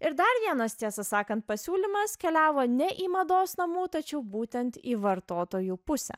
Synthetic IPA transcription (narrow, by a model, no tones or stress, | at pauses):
ɪɾd̪ɐɾʋʲiɛnɐst̪ʲiɛsɐsɑːkɐnt̪̚pɐsʲuːlʲɪmɐskʲɛlʲæːʋoːnʲɛʔiːmɐd̪oːsnɐmuːt̪ɐt͡ʃʲɛʊbuːt̪ʲɛnt̪iːʋɐɾt̪oːt̪oːjuːpʊsʲɛ̰